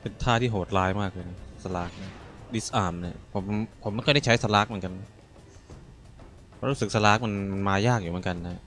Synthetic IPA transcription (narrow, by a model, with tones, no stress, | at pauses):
pe˧nt̪ʰaː˥˩t̪ʰiː˥˩ɦoː˨˩t̪̚laː˦˥jmaː˥˩k̚lɯː˧nsa˧laː˦˥k̚na˦˥˩di˦˥sʔaː˧˩mni˥˩ɐpʰo˩˦m˦pʰo˨˦ma˧nkda˥˩t͡ɕʰa˦˥jsa˧laː˦˥k̚mɯ˩˦ŋka˧nːa˦˥˦ | ɾu˦˥sɯ˨˩k̚sa˧laː˦˥k̚ma˧nma˧nmaː˧jaː˥˩k̚ju˨˩mɯ˩˦ŋka˧nːa˦ha˧˥